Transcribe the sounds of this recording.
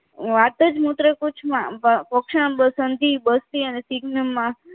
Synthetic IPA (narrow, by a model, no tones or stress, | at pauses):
ʋat̪əd͡ʒmut̪ɾəkut͡ʃʰmãpɔkʃãbəsənd̪ʱibəst̪iənesiɡnəmã